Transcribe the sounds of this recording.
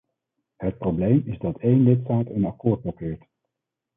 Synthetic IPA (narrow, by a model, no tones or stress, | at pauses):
ɦət̚prowblejmɪzdɑtejnlɪtstaːtənɑkʊːɹd̚blɔkɪːɹt